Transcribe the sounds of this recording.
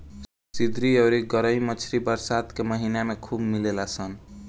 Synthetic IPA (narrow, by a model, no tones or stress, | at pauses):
sid̪ɾiəɾiɡəɾəjmət͡ʃʰɾibəɾsad̪keməɦinamekʰubmilelasən